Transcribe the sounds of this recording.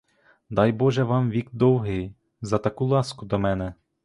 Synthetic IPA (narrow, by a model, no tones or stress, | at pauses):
d̪ɑjbɔʒɛʋɑmʋʲikd̪ɔwɦɪj | zɐt̪ɐkulˠɑskʊd̪ɔmɛnɛ